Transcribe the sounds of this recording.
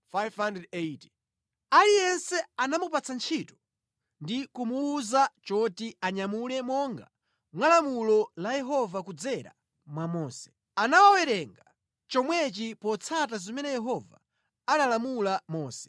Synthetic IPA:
fajvhandɛdeiti̥ | alijɛnsɛanamupat͡sʰant͡ʃʰitɔ̥ | ndikumuːzat͡ʃɔtiaɲamulɛmɔŋɡa̰ | mwalamulɔlajɛɦɔvakud͡zɛɾa̰ | mwamɔːsɛ̥ | anawawɛɾɛŋɡa | t͡ʃɔmwɛt͡ʃipɔt͡sʰatazimɛnɛjɛɦɔva̰ | analamulamɔːsɛ̥

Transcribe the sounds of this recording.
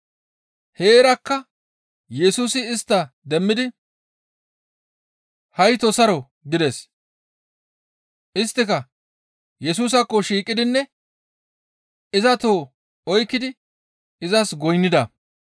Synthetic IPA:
he̞ːɾɐkːɐ | jɛsuːsɪːst̪ːɐd̪ɛmːɪd̪ɪ | hɐjt̪ɔsɐɾɔ | ɡɪd̪ɛs | ʔɪst̪ːɪkɐ | jɛs̬uːs̬ɐkːɔʃiːkʼːɪd̪ɪnːɛ | ɪzɐt̪o̞ː | ɔjkːɪd̪ɪ | ɪzɐsɡɔjnːɪd̪ɐ

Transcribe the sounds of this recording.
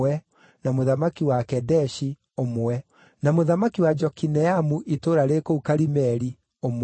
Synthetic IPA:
ɛ | namoðamakiwakɛdɛʃi | omoɛ | namoðamakiwad͡ʒɔkinɛamuʔitoɾaɾekoukaɾimɛɾi | om

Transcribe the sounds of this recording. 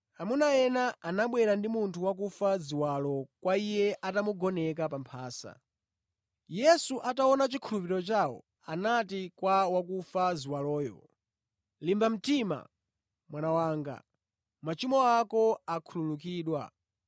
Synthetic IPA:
amunajɛnaanaɓwɛɾandimuntʰuwak̬ufaziwalɔkwaijɛʔatamuɡɔnɛkapampʰaːsa̰ | jɛsuʔataɔnat͡ʃikʰulupiɾɔt͡ʃawɔ̰ | anatikwawakufaziwalɔːjɔ̰ | limbam̩tima̰ | mwanawaːŋɡa̰ | mat͡ʃimɔakɔakʰululukiːɗwa̰

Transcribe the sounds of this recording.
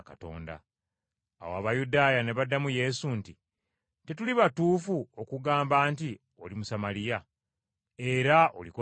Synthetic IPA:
kato̞̰ːnda̰ | a̰woa̰βajudaːjane̞βadːamuje̞sunti | te̞tuliβatuːfuo̞kuɡaːmbaːnti | o̞̰limusamalija | e̞ɾao̞̰liko

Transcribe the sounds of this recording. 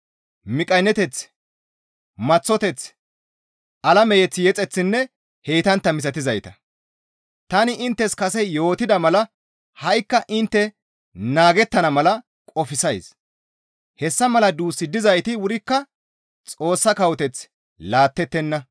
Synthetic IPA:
mɪkʼɐnːɛt̪ɛt͡s | mɐt͡sːɔt̪ɛt͡s | ʔɐlɐmɛjɛt͡sːjɛt͡sʼɛt͡sːɪnːɛ | heːt̪ɐnt̪ːɐmɪs̬ɐt̪ɪzɐjt̪ɐ̥ | t̪ɐnɪʔɪnt̪ːɛskɐsɛjo̞ːt̪ɪd̪ɐmɐlɐ | hɐjkːɐʔɪnt̪ːɛ | naːɡɛt̪ːɐnɐmɐlɐ | kʼɔfɪsɐjs | hɛsːɐmɐlɐd̪uːsːɪd̪ːɪzɐjt̪ɪwʊɾɪkːɐ | t͡sʼo̞ːsːɐkɐwɔt̪ɛt͡s | laːt̪ːɛt̪ːɛnːɐ

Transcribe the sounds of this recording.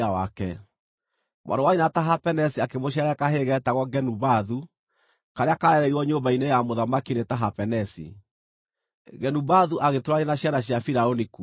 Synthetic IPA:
awakɛ | mwʔa̰ɾdowainataɦapɛnɛsiakemoɕ̬aɾɛkaɦeɣɛtaɣɔɡɛnubaðu | kaɾeakaɾɛɾɛiwɔɲombainejamoðamakinetaɦapɛnɛsḭ | ɣɛnubaðuʔaɣetoɾaɾenaɕjanaɕjafiɾaoniku

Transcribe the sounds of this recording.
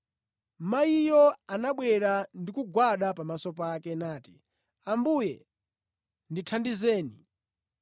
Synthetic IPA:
maijɔanaɓwɛɾandikuɡwaɗapamasɔpakɛnaːti̥ | ambujɛ | nditʰandizɛːni

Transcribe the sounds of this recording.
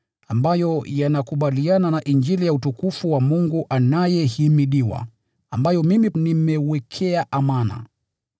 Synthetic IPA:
ambajɔjanakuɓaliananaʔind͡ʒilijautukufuwamuŋɡuʔanajɛhimiɗiwa̰ | ambajɔmiminimɛwɛkʰɛaʔamana̰

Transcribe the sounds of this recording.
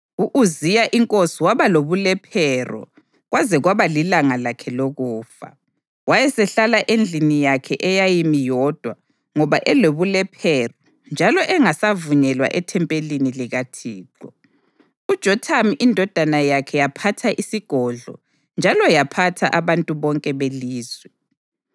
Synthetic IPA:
uʔuzijaʔiŋkʼosiwaβaloβulɛpʰɛrɔ̰ | ɣwʔazɛɣwaβalilaŋalakʰɛloɣuːfa̰ | wajɛsɛɬalaʔend͡ɮʱinijakʰɛʔɛjajimijɔd̥ʱwa | ŋɔβaʔɛloβulɛpʰɛrɔ | nd͡ʒʱalɔʔɛŋasavuɲɛlwa̰ʔɛtʰɛmpʼeliniliɣatʰiːǃɔ | ud̥ʒ̥ʱɔtʰamiʔindʱɔd̥ʱanajakʰɛjapʰatʰaʔisiɡ̥ʱɔɮɔ̰ | nd͡ʒʱalɔjapʰatʰaʔaβantʼuβɔŋkʼɛβeliːzwɛ

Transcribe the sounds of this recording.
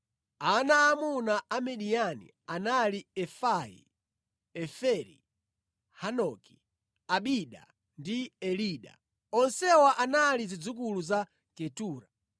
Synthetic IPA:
anaːmunaamɛɗijanḭ | analiɛfajḭ | ɛfɛɾḭ | hanɔki̥ | aɓiɗa̰ | ndiɛliːɗa̰ | ɔnsɛwaʔanalizid͡zukuluza | kɛtuːɾa

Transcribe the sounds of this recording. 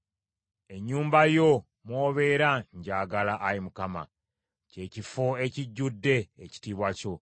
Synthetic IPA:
e̞ɲːuːmbajo̞ | mwoːβe̞ɾaɲɟaːɡalaʔajimukama̰ | ce̞ːcifo̞e̞ciɟːudːe̞ːci̥tiːβwaco̞

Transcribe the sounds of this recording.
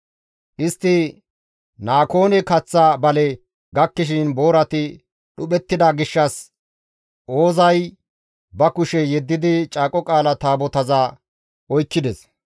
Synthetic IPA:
ʔɪst̪ːɪ | naːko̞ːnɛkɐt͡sːabɐlɛ | ɡɐkːɪʃ̬ɪnbo̞ːɾɐt̪ɪ | ɗʊɓɛt̪ːɪd̪aɡɪʃːɐs | ʔo̞ːzɐj | bɐkʊʃɛjɛd̪ːɪd̪ɪt͡ʃʼaːkʼɔkʼaːlɐt̪aːbɔt̪ɐzɐ | ɔjkːɪd̪ɛs

